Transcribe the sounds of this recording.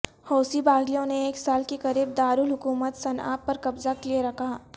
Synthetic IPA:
hoːsibaːɡlijõneeːksaːlkekɐɾiːb̚d̪aːɾuːlɦʊkuːmət̪sɐna̰ːpːɐɾkɐbzaklieɾɐkʰa

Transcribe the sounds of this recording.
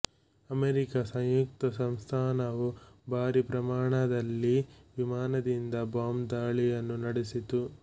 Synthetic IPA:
ɐmeɾikɐsɐ̃ŋjuk̚t̪ɐsɐmst̪ʰaːnɐʋubʱaːɾipɾɐmaːɳɐd̪ɐlːiʋimaːnɐd̪ind̪ɐbaːmd̪aːɭijɐnːunɐɽesit̪u

